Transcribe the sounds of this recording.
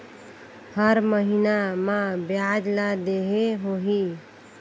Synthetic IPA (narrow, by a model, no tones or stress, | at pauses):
həɾməɦinamãbjad͡ʒlad̪eɦeɦoɦi